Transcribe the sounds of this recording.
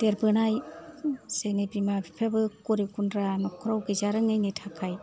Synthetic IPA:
d̥eɾbɯnaj | zenebimabipʰabɯkɔɾikundɾanɔkʰɔɾawɡezaɾɯŋɯjnitʰakʰaj

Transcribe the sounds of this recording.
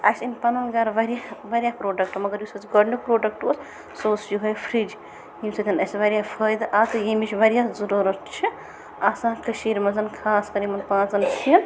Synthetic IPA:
ɐsinpɐnɐnɡɐɾʋɐɾjaʋɐɾʲijaːpɾoːɖɐk̚ʈmɐɡɐɾjusɐt͡sɡɐɖnukpɾoːɖɐk̚ʈos | soːsjuɦɐjfʰɾid͡ʒ | jimsɐt̪ʰʲinɐsʋɐɾjafʰəːjd̪ʔat̪ɨjimit͡ʃʰʲʋɐɾijazuɾuɾɐt̪t͡ʃʰi | asãːkɐʃiːɾmɐzɐnkʰaːskɐɾimɐnpãːzɐnsiɐn

